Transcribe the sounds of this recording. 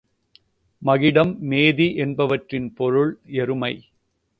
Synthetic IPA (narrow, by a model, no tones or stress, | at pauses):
mɐɣɪɽɐmːeːðiʔɛnbɐʋɐʈrɪnpɔɾɯɭɛɾɯmɐɪ